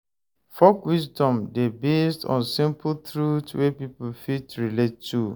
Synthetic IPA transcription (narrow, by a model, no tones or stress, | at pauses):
fɔkwisdɔ̃mdebestɔ̰̃nsĩmpl̩tɹutwepiplfitɹiletːu